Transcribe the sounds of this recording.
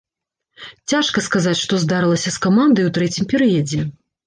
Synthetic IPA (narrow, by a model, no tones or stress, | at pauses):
t͡sʲaʂkɐskazat͡sʲʂt̪ɔzd̪aɾɨlˠɐsʲɐskamand̪ɐjwt̪ɾɛt͡sʲimpʲɛɾɨjɐd͡zʲɛ